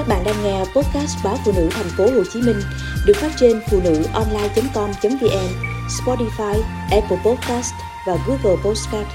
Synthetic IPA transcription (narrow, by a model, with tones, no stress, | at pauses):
ka˦˥k̚ɓa̰ː˧˨nɗaː˧ŋŋɛ˧pɔ˦˥t̚kaː˦˥st̚ɓaː˨˦fṵ˧˨nɨ̰˧˥t̪ʰa˨˩jŋ̟fo˨˦ho˨˧˩t͡ɕi˨˦mï˧ŋ̟ | ɗɨ˨˩ək̚faː˦˥t̚t͡ɕe˧nfṵ˧˨nɨ̰˧˥˨ʔɔ˧nlaː˧jt͡ɕə˨˦mkɔ˧mt͡ɕə˨˦nvi˧˩ʔɛ˧mspɔ˧ti˧faː˧j | ʔɛ˧˥pə˧pɔ˦˥t̚ka˦˥st | vaː˨˩ɣu˨˦ɣəː˨˩po˦˥tskaː˦˥t̚